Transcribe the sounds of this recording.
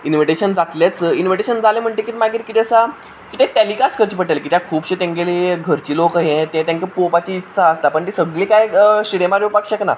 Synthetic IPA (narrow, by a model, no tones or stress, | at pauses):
inʋiʈeɕənd͡zat̪ljat͡səinʋiʈeɕənd͡zalem̤əɳt̪ekit̪emaɡiːɾkit̪eəsa | kit̪ẽt̪aliːkaskʰəɾt͡ɕiːpəʈelekit̪jakʰuːbɕet̪ẽŋɡeleɡʱəɾt͡ɕiːlokəɦẽt̪ẽt̪jãɲkepopat͡ɕiːt̪ːsʰaəst̪apəɳt̪isəɡlĩkajɕiɾemaɾepakɕəkna̰